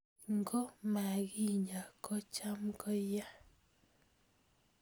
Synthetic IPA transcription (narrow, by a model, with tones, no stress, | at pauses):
ŋɡo˦ma˨ɡi˦ɲa˨ko˦t͡ʃa˦mkɔ˦ja˦